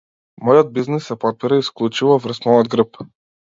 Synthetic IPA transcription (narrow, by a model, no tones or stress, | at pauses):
mɔjɔd̪̚biznisːɛpɔt̪̚piɾaisklˠut͡ʃivɔvɾsmɔjɔd̪ɡɾəp